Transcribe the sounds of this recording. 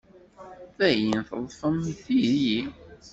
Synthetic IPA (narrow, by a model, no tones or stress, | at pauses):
θæjinθəðˤfəmθiɾji